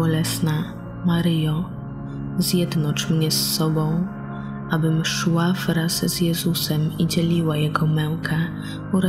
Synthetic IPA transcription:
ɔlɛsna | maɾɘjɔ | zjɛd̪nɔt͡ʂmɲɛsːɔbɔ̃w̃ | abɘmʂwavɾazz̥jɛzusɛmid͡ʑɛlʲiwajɛɡɔmɛw̃kʰa | ɔɾa

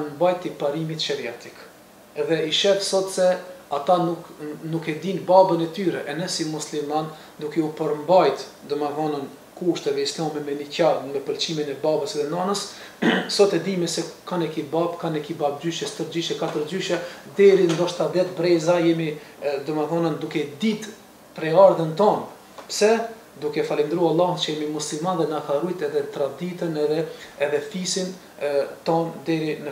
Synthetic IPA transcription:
nmbajt̪ːipaɾimit̪ʃɛɾiat̪ik | ɛðɛiʃɛt̪sɔt̪sɛat̪anuknukɛd̪inbabənɛt̪yɾɛʔɛnɛsimusliman | d̪ukɛupəɾmbajt̪ | d̪ɔmavɔnən | kuʃt̪ɛðɛislamɛmɛnicamɛpəlt͡ʃiminɛbabəsɛðɛnɔnəssɔt̪ɛd̪imɛsɛkanɛkibabkanɛkibab̚d͡ʑyʃjɛst̪əɾd͡ʑyʃɛkat̪əɾd͡ʑyʃɛd̪ɛɾind̪ɔʃt̪ad̪ðɛt̪bɾɛzajɛmid̪ɔməθɔnənd̪ukɛd̪it̪ | pɾɛaɾðənt̪ɔm | psɛ | d̪ukɛfalind̪ɾualˠːaht͡ʃəjɛmimuslilmanðɛnahaɾujt̪ɛðɛt̪ɾad̪it̪ənɛðɛɛðɛθisin | t̪ɔmd̪ɛɾinə

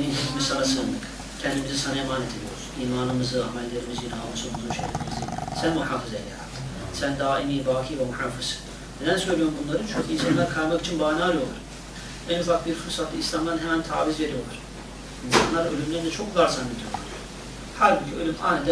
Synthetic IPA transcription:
nind͡ʒizimizsanasɯnd̪ˠɯk | cʰɛnd̪imizisanaemaːnet̪ʰid̪ijo̰ɾuzuiːmaːnɯmɯzɯa̰mɛlʲːe̞ɾimizinausumuzunʃḛjlʲḛɾimizisænmuħaːfɯzelʲːɛ̰ɾa̰ɯsænd̪aːimiːbaːkʰijvɛmuħaːfɯsɯ̥ | ned̪ænsø̞jlʲijo̞ɾumbunlˠaɾɯnt͡ʃʰuɲcʰiinsanlˠaɾɯkʰalˠmaki̥t͡ʃʰinbaːnaːlˠujo̞lˠaɾ | ʔænufak̚biɾfuɾsat̪lɯislʲamd̪anɦemænt̪ʰa̰ːvizve̞ɾijo̞lˠaɾ̥ | insa̰nlˠaɾølʲymlʲeind̪ɛt͡ʃʰo̞kvaɾzanded̪ijo̞lˠa̰ɾ | haɾbicʰiølʲyma̰jnad̪

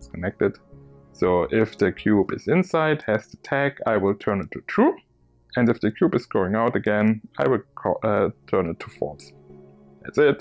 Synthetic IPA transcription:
skʰənɛk̚tɨd̥ | soʊʔɪfðɨkʰj̥ubɨ̰zɪ̃nsaɪd̚hɨz̥ðɨtʰækʰa̰ɪwɪlˠtʰɜ̃˞nɨtʰutʰɹ̥u | ɨ̃ndɨfðɨkʰj̥ubɨzɡ̥oʊɪ̃ŋaʊɾɨɡɛ̃naɪwɪlʰɔtʰɜ̃˞nɨtʰːufɔ̰ɹs | ðæ̰tsɪt̚

